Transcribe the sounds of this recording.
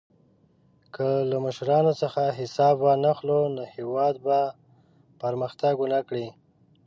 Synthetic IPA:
kʰəlaməʃɾɑnosəxaɦɪsɑbwanaxlonohewɑd̪̚ba | pəɾməxt̪aɡunakɽi

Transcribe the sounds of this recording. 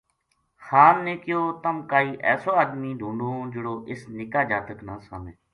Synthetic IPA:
xaːnːẽːkɪjoːt̪əmkaːiːʔɛːsoːaːd̪miːd̪ʱũːɳɖõːd͡ʒəɽoːʔɪsnɪkaːd͡ʒaːt̪əknãːsaːmẽː

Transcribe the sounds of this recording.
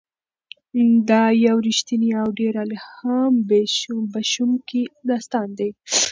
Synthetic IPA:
d̪ɑjawɾiʃt̪iniawɖeɾalhambbaʃumkid̪ɑst̪ɑnd̪aj

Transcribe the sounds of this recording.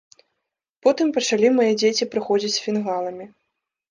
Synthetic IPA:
pɔt̪ɨmpɐt͡ʂalʲimajɛd͡zʲet͡sʲipɾɨxɔd͡zʲit͡sʲsfʲinɣalˠɐmʲi

